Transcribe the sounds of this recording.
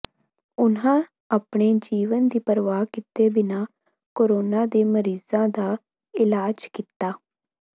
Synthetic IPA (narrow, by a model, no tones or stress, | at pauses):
ʊnɦãː | aːpɳeːd͡ʒiːʋənd̪iːpəɾʋaːkɪt̪eːbɪnãː | koːɾoːnãːd̪eːməɾiːzãːd̪aː | ɪlaːd͡ʒkit̪aː